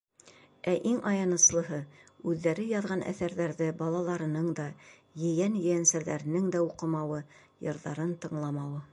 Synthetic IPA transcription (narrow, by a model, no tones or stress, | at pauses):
æʔiŋɑjɑnɤ̆slˠɤ̆ɦɤʉðːæɾɘjɑðʁɑnʔæ̰θæɾðæɾðɘbɑlˠɑlˠɑɾɤ̆nɤɴd̪ɑ | jɘ̆jænjɘ̆jænsæɾðæ̰ɾɘ̆nɘŋd̪æuqɤ̆mɑwɤ | jɤ̆ɾðɑɾɤnt̪ɤ̆ɴlˠɑmɑwɤ